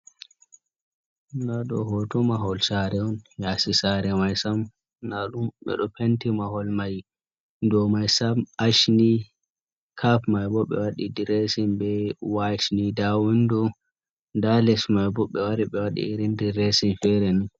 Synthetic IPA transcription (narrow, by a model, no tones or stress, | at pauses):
naɗɔ̰ɦɔtɔmaɦɔlsaɾɛɔnjasisaɾɛmajsam | naɗumɓɛ̰ɗɔpʰentimaɦɔlmaj | ndɔmajsamaʃni | kʰapmajbɔɓɛ̰waɗidiɾesinbɛwat͡ʃnidawindɔ | dalɛsmajbɔɓːɛwaɾiɓɛwaɗḭːɾindiɾesinfɛɾɛnun